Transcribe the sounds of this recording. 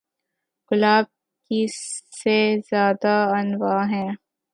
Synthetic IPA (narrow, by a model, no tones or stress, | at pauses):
ɡʊlaːb̚ | kisezjaːd̪aɐnwaːɦɛ̃ː